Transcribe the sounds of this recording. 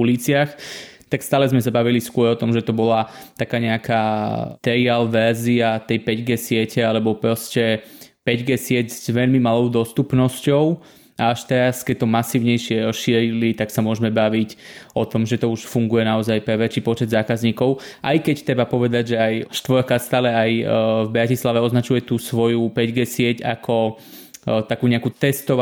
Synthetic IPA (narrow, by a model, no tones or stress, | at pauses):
uliːt͡sɪaxt̪akst̪aːlɛzmɛs̬abaʋiliskʊɔɾɔt̪ɔmʒɛt̪ɔbɔlat̪akaːɲɛakʰaːt̪ɛɾialʋɛɾziat̪ɛjpɛɟɡɛːsɪɛcɛalɛbɔpɾɔscɛpɛɟɡɛsɪɛd͡zzʋɛʎmimalɔʊd̪ɔst̪upnɔscɔʊ | ʔaaʃt̪ɛɾaskɛc̚t̪ɔmasiːʊɲɛjʃɪɛɔʃiɛɾilit̪aksamʊɔʒɛmɛbaʋicɔt̪ɔmʒɛt̪ɔuʃfuŋɡujɛnaɔzajpɾɛʋɛt͡ʃiːpɔt͡ʃɛd̪zaːkazɲiːkɔʊ | ʔajkɛct̪ɾɛbapɔʋɛd̪aɟʒɛajʃt̪ʋɔɾkast̪aːlɛajvbɾacislaʋɛɔznat͡ʃujɛt̪uːsʋɔjupɛɟɡɛːsɪɛca̰kʰɔ | t̪akuːɲɛakut̪ɛst̪ɔʋ